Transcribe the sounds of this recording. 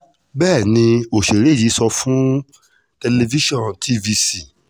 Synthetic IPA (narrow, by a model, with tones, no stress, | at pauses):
bɛː˦˨nĩ˧o˨ʃe˨ɾe˨˦˨ji˨˦sɔ˧fũ˦ | te˧le˧vi˦ʃɔ̃˦˨ntʰi˦vi˧si˦˨